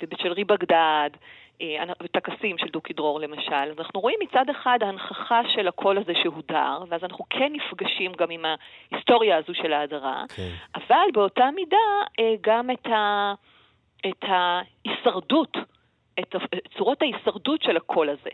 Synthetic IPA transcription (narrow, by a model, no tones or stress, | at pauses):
vebeʃelʁibaɡdad | eanavetakasimʃeldukidʁo̞ʁle̞maʃalazanaχnuʁo̞imːit͡sadeχadhanχaχaʃe̞lakʰo̞lazeʃeɦuda̰ʁveazanaχnukʰenːifɡaʃimɡamimhahisto̞ʁjaːzuʃe̞laːdaʁa̰kʔavalbe̞o̞tamidaeɡameta | etha | isaʁdut | etat͡suʁo̞thaisaʁdutʃelakʰo̞laze̞̰